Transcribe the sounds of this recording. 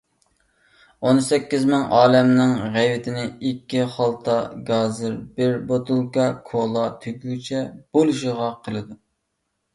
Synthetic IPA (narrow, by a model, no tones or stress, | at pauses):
onsɛkʲːizmɪŋɑːlɛmnɪŋʁɛjwɪt̪ʰɪnɪikʲːiχɑlˠt̪ʰɑɡɑːzɨɾbɪɾbot̪ulˠkɑkʰolˠɑt̪ʰyɡʲyt͡ʃʰɛb̥oluʃɪʁɑqʰəlˠɨd̪u